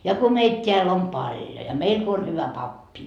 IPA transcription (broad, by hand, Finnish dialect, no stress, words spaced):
jɑ ko meit tʲeæl om pɑljo jɑ meil ko on hyʋæ pɑpːi